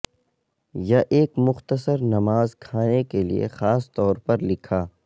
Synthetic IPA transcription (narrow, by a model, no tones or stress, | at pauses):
jɐʔeːkmʊxt̪əsəɾnɐmaːzkʰaːnekelḭḛxaːst̪ɔːɾpɐɾlɪkʰaː